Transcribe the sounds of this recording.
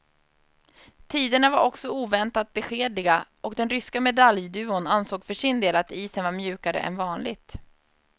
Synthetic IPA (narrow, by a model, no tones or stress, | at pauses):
t̪ʰiːd̪əɳavaɾɔksɔuːvɛnt̪at̪̚bɛɧeːd̪lɪɡaʔɔkd̪ɛnɾʏskamɛd̪aljd̪ʉ̟ːʊnansoːɡfœʂɪnd̪eːlat̪iːsənvaɾmjʉ̟ːkaɾə̰ʔɛ̰nvɑːnlɪɡt̪